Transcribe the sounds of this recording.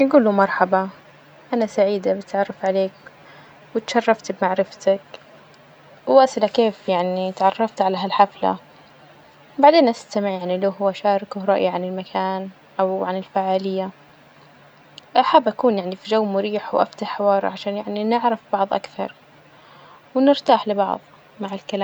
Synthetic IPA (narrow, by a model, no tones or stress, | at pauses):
ɡuːlːumɑɾˤħɑba | ʔanasaʕiːd̪abɪt̪ʕɑrˤːɑfʕaleːk | wɪt̪ʃɑrˤːɑft̪bmaʕɾɪft̪ak | wwaːsɪlakeːfjaʕnit̪ʕɑrˤːɑft̪ʕalaɦalħafla̰ | baʕd̪eːnʔast̪amɪʕjaʕnilʊhʊwaʃaːɾˤɪkɾˤɑʔjiʕanɪlmakʰaːn | ʔawʕanɪlfaʕaːlɪjːa | ʔaħabːʔakuːnjaʕnifid͡ʒawːmʊɾiːħwʔa̰ft̪aħħɪwɑːɾ̰ˤʕaʃaːnjaʕninɪʕɾɪfbɑʕðˤʔa̰kθɑ̰ɾˤ | wnɪɾt̪aːħlɪbɑ̰ʕðˤ | maʕɪlkalaː